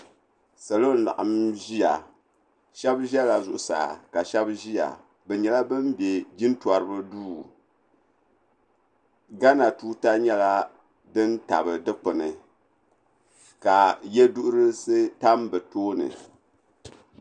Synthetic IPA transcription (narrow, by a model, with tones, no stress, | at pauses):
sa˨lo˦n̩˦la̰˨ʔɨ˨mʒi˦a̰˨ | ʃɛ˦bʒɛ˦la˨zʊ˨ʔʊ˨sa̰˨ka˨ʃɛ˦bʒi˦ja̰˨ | bɛ˨ɲɛ˨la˦bɨ˦mbjɛ˨d͡ʒi˦n˦twa˨ɾɨ˦bɨ˦duː˦˨˦ | ɡa˦na˨tuː˦ta˦ɲɛ˦la˦ | dɨ˦nta̰˨bɨ˨dɨ˦k͡pɨ˨nɨ˨ | ka˨jɛ˦du˦ʔʊ˦ɾɨ˦se˦ta˦mbɛ˨toː˦nɨ̰˨